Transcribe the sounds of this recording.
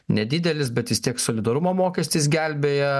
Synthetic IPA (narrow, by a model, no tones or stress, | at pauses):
nʲɛd̪ʲɪd̪ʲɛlʲɪsbʲɛt̪ʋʲɪst̪ʲiɛksoːlʲɪd̪ɐɾʊmoːmoːkʲɛsʲt̪ʲɪsɡʲɛlʲbʲeːjɛ